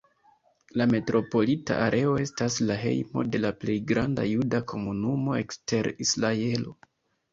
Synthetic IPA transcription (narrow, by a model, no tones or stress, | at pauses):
lame̞tɾo̞po̞lita̰ʔaɾʔe̞o̞e̞staslaɦe̞̰jmo̞̰de̞laple̞jɡɾanda̰judakʰo̞munumo̞e̞kste̞ɾislae̞lo̞̰